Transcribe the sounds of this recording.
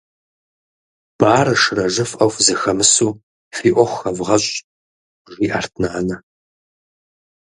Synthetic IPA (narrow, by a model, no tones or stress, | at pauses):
b̥aːɾɐʂɨrɐʒɨfʔɐwfzɐxɐmɨsuː | fiːʔʷɔχʷxɐvʁɐɕʼ | ʒiːʔaːrtʰnaːnɐ